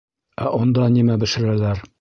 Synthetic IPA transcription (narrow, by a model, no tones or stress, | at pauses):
æʔɒnd̪ɑnimæbɘ̆ʃɘ̆ɾælæɾ